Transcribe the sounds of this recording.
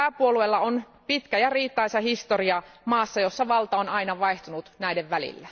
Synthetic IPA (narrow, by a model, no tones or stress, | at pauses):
æpuoluelːɑon | pit̪kæjɑriːt̪ːɑisɑhist̪o̞riɑmɑːsːɑjo̞sːɑʋɑlt̪ɑonɑinɑʋɑeht̪unut̪næideʋʋælḭlːæ